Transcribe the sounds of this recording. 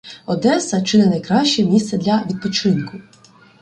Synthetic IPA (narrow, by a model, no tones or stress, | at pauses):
ɔd̪ɛsɐt͡ʃɪnɛnɐjkɾɑʃʲt͡ʃɛmʲist̪sɛd̪lʲɐʋʲid̪̚pɔt͡ʃɪnkʊ